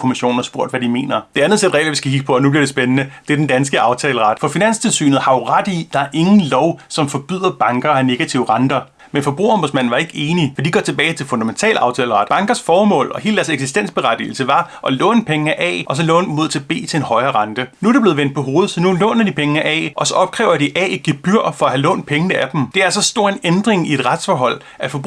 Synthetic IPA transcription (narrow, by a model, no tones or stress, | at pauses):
kʰo̝miɕo̝̰ːn̩ɑsb̥o̝ɐ̰d̥ʋæd̥ime̝̰ːnɐd̥e̝ænð̩ˠsed̥ʁɛ̰ɪlɐʋisɡ̥æhiɡ̥̚pʰɒ̽ɒnub̥liɐɾ̥e̝sb̥enənəd̥e̝æɐdend̥ænsɡ̥əɑ̈ʊt͡sʰɛːləʁɑ̈d̥fɒ̽finæn̰st͡sʰe̝lsy̰ːnð̩ˠhɑ̈ʊʁɑd̥id̥ɑ̈æɐʔe̝ŋn̩lɒʊsɒ̽mfɒ̽b̥yð̞̰ˠɐb̥ɑ̈ŋɡ̥ɐæne̝ɡ̥æt͡sʰiʊəʁɑ̈nd̥ɐ | menfɒ̽b̥ʁṵːɐɒ̽mboðˠsmæn̰̩ʋɑ̈e̝ɡ̥əe̝ːnifɒd̥iɡ̥ɒ̰t͡sʰe̝b̥ɛːɪt͡sʰe̝lfɔ̽ndæment͡sʰɛ̰ːlɑ̈ʊt͡sʰɛ̰ːləʁɑ̈d̥bɑ̈ŋɡ̥ɐsfɒːmɔ̰̽ːlɒ̽he̝ːld̥æɐseɡ̥sisd̥en̰sb̥e̝ʁad̥ḭːl̩səʋɑ̈ʔɒ̽lɔ̰ːnpʰeŋəʔɛ̰ːʔɒ̽s̬ɒ̽lɔ̰ːnmo̝ðˠt͡sʰe̝b̥e̝̰ːt͡sʰe̝e̝nhɒ̽ɪɐːʁɑ̈nd̥ənuædɾe̝b̥le̝ð̩ˠʋen̰d̥̚pʰɒ̽ɦo̝ːð̞̩ˠsɒ̽nulɔ̰ːnɐd̥ipʰeŋəʔɛ̰ʔɒ̽sɒ̽ɒ̽b̥̚kʰʁɛʊɐd̥iʔɛ̰ːi̥ɡ̥eb̥yɐ̰fɒ̽æhælɔ̰ːnd̥̚pʰeŋənəæd̥m̩d̥e̝æɐsɒ̽sd̥o̝ɐ̰e̝nend̥ʁeŋie̝d̥ʁad̥sfɒːɦɒ̽l̰ | ʔæ̥fɒ̽b